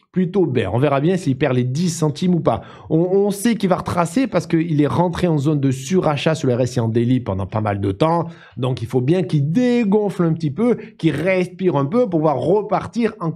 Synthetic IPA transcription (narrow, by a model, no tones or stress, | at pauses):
plyt̪obɛ̰ɔ̰̃veʁabjɛ̃siːpɛʁled̪isɑ̃t̪imupa̰ | ɔ̃ːsɛkilvaʁət̪χasepaʁsə̥kəilɛʁɑ̃t̪χeɑ̃zond̪əsyʁaʃasyʁləɛʁɛseɑ̃d̪elipɑ̃d̪ɑ̃pama̰ld̪ət̪ɑ̃ | d̪ɔ̃kilfobjɛ̃kid̪eɡɔ̃flɛ̃pət̪ipøkʲiʁɛspiʁɛ̃pøpuvwaʁːəpaʁt̪iʁɑ̃